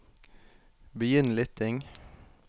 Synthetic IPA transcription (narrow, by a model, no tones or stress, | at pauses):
bəjʏnlɪt̪ʰɪŋ